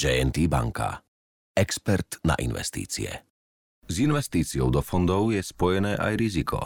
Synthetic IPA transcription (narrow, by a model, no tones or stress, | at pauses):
d͡ʒɛɛnt̪iba̰ŋka̰ | ɛkspɛɾt̪na̰ʔḭnʋɛ̰st̪ḭːt͡sḭɛ̰ | zinʋɛst̪iːt͡siɔʊd̪ɔfɔnd̪ɔʊjɛspɔjɛnɛːʔajɾizikʰɔ̰